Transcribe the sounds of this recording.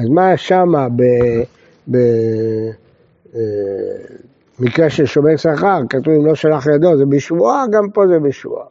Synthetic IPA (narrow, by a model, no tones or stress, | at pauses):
azmaʃamabe | be | mikʁeʃeʃometsaχaʁkat̪uvimloʃalaχjad̪ozebiʃvuaɡampo̞zebeʃvṵa̰